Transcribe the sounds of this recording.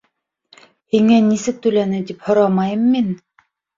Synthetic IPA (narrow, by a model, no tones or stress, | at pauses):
eŋenisɘk̚t̪ylænɘd̪iphŏɾɑmɑjɯmːin